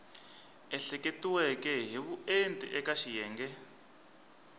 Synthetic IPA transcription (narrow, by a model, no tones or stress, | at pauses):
ɛɬɛketiwɛkɛɦiβuentʼḭʔɛkaʃijɛːŋɡɛ